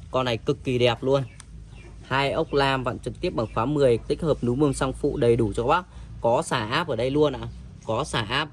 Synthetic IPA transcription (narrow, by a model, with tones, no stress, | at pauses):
kɔ˧nːa˨˩jkɨ˨˩kːi˨˩ɗɛ˨˩p̚lu˧ən | haː˧jʔə˦˥wk͡p̚laː˧mva̰ː˧˨nt͡ɕɨ˨˩k̚t̪i˦˥əp̚ɓaː˨˩ŋfwaː˨˦mɨ˨˩əjt̪ï˦˥k̟̚həː˨˩p̚nu˨˦mɨ˧əŋsa˧wŋ͡mfṵ˧˨ɗə˨˩jɗu˧˩t͡ɕɔ˧ɓa˦˥k̚kɔ˨˦saː˧˩ʔaː˦˥p̚ʔəː˧˩ɗə˧jlu˧ənʔa̰ː˧˨ | kɔ˨˦saː˧˩ʔaː˦˥p̚